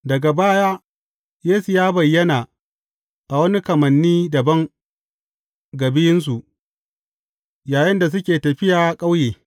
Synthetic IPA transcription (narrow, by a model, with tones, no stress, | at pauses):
dɐ˨ɡa˨baː˦jaː˦ | jeː˦su˨jaː˦bɐ˨jːɐ˦naː˨ | ʔa˨wɐ˦ni˦kɐ˨mɐ˨nːiː˦dɐ˨bɐ˦ŋ | ɡɐ˨bɪ˦jɪ˦ns̬u˨ʔ | jaː˨jɪ˦nda˨s̬ʊ˦kʲeː˨tɐ˨ɸɪ˦jaː˨kʼa˦wjeː˨